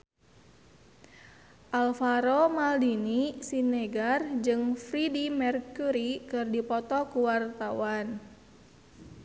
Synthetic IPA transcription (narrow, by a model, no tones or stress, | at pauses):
ʔalfaɾomaldinisineɡard͡ʒɨŋfɾidimɛrkuɾikɨrdipɔt̪ɔkuwart̪awan